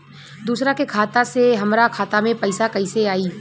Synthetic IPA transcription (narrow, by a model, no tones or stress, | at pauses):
d̪uːsɾakekʰaːt̪aseɦɐmɾakʰaːt̪amẽpɐɪsakɐɪseaːiː